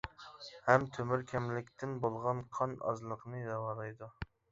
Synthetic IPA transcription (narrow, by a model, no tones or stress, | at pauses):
hɛmt̪ʰømyɾkʲʰɛmlɪkʲt̪ʰɪnbolˠʁɑnqʰɑnɑ̰zlˠəqnɨd̪ɑwɑɾˠɑjd̪u